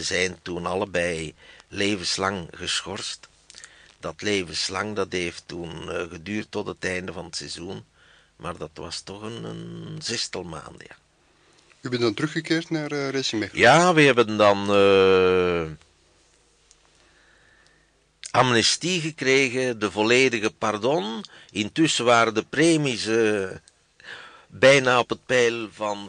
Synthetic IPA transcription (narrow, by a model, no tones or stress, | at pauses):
əzɛjntunɑləbɛjleːvənslɑŋɣəsxɔrst | d̥ɑtleːvəslɑŋdɑtɦeːftunɣədyːrtːɔtətɛjndəvɑnətsɛzun | mʔaːrdɑtʋɑ̰stɔχənə̰nzɛstɑlˠma̰ːndəja̰ː | ybɛndɑntɾɵxəkɪːrtnaːrresimejaːʋəɦɛbəndɑnə | ɑmnɛstiɣəkreːɣədəvɔleːdəɣəpardɔnɪntʏsəʋaːɾədəpreːmisə | bɛjnaːɔpət̚pɛjlvɑn